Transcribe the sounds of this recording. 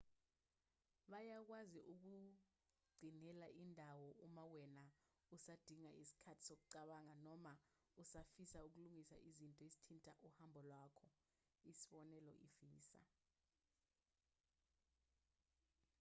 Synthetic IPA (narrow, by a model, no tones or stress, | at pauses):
ɓajak̬waziʔuk̬u | ɡ͡ǀʱinɛlaʔindʱawɔʔumawɛna | usad̥ʱiŋaʔisi̥kʰatʰi̥sok̬uǀaɓaŋanɔma | usafisauk̬uluŋisa̰ʔizintʼɔesi̥tʰintʼaʔuhambʱɔlwakʰɔ | isiɓɔnɛlɔʔifiːsa̰